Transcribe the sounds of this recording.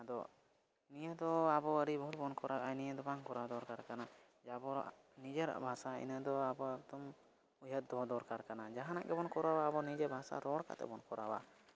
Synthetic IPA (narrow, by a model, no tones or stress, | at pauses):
ad̪ɔ | nijəd̪ɔabɔwəɾibəɦut̪̚bɔnkɔɾaʔajnijəd̪ɔbaŋkɔɾawd̪ɔɾkaɾkana | d͡ʒabɔɾa̰ʔ | nid͡ʒəɾa̰ʔbʱasaḭnəd̪ɔabɔbd̪ɔm | ujət̪̚d̪ɔd̪ɔɾkaɾkanad͡ʒaɦanaʔɡɛbɔnkɔɾawaːbɔnid͡ʒəbʱasa̰ɾɔɽka̰t̪ɛ̰bɔnkɔɾawa̰